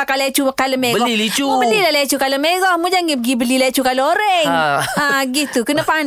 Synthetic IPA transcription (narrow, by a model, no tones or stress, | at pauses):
akalet͡ʃumakaləmɛbəɡɔilit͡ʃubəlilalɛt͡ʃukaləmɛɡɔmud͡ʒaŋɡiɡibəlilet͡ʃukaloɾɛŋaɡit̪ukənapan